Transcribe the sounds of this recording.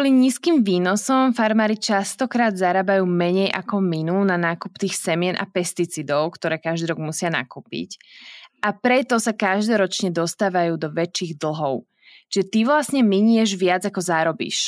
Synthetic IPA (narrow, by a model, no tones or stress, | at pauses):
ɔliɲiskiːmʋiːnɔsɔmfaɾmaːɾit͡ʃast̪ɔkɾaːd̪zaɾaːbajuːmɛɲɛjʔakɔminunanaːkupt̪iːxsɛmɪɛnʔa̰pɛst̪it͡sid̪ɔʊkt̪ɔɾɛːkaʒd̪iːɾɔɡmusɪana̰kuːpḭcʔapɾɛt̪ɔsakaʒd̪ɔɾɔt͡ʃɲɛd̪ɔst̪aːʋajuːd̪ɔʋɛt͡ʃːiːɣd̪l̩ˠɦɔʊ | t͡ʃʒɛt̪iʋlasɲɛmiɲɛʒʋɪad͡zakɔzaːɾɔbḭʃ